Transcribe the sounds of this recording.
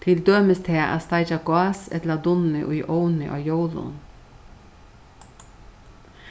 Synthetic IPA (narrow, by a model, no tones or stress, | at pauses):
t̪ʰɪld̪øːməst̪ʰeːʔɑ̰st̪ɑɪd͡ʒɑkʊɑsɛ̰t̪lɑd̪ʊnʏʔʊjʔoʊnɪʔo̰ːjoʊlʊ̰n